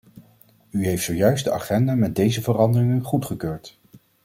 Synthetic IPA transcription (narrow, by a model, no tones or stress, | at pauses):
yɦejftsowjœɥsdəa̰χɛndamɛd̚dejzəvərɑndərɪŋənχutχəkøːɹt